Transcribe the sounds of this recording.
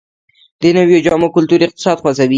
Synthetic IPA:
d̪̥ənawjod͡ʒɑmokʊlt̪uɾɪq̚t̪ɪ̥sɑd̪xwazawi

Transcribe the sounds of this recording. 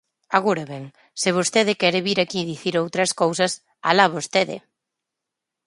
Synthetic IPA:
aɣuɾaβɛŋ | sɪβ̞ost̪eð̞ɪkɛɾeβiɾakiðiθiɾowt̪ɾɐskowsɐs | a̰laβost̪eðɪ̰

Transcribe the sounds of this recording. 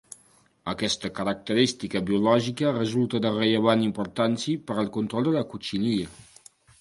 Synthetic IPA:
əkɛst̪əkəɾək̚t̪əɾist̪ikəβiulɔʒikərəzulˠt̪əðərəʎəβ̞animpuɾt̪ansipəɾəlˠkunt̪ɾɔlˠd̪ələkut͡ʃiniə

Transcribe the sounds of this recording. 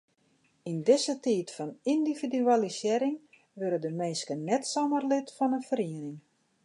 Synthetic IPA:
indɪsətiːtfɔnindividyalisjɪɾɪŋ | ʋøɾədəmeːskənɛtsomərlɪtfɔnənfəɾiənɪŋ

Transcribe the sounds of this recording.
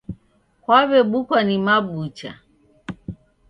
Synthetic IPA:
kwaβɛɓukwanimaɓut͡ʃa̰

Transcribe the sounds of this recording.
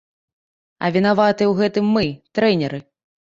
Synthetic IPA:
ɐ̰vʲinavat̪ɨɛwɣɛt̪ɨmːɨt̪ɾɛnʲɛɾɨ

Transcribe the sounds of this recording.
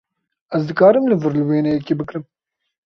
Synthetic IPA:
ɛzd̪ɨkaːɾɨmlɨvɨɾlɨweːnɛjɛkebɨkɾɨm

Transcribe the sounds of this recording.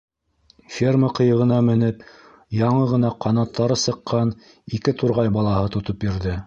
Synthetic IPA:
fʲerməqɤ̆jɤ̆ʁɤ̆nɑmɘ̆nɘp | jɑɴɤʁɤ̆nɑqʰɑnɑt̪ːɑɾɤsɤ̆qːɑn | ikɘt̪uɾʁɑjbɑlˠɑhɤt̪ŏt̪op̚biɾðɘ

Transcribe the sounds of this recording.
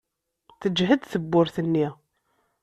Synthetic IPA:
θəd͡ʒɦəd̪θəbːʊɾθənːi

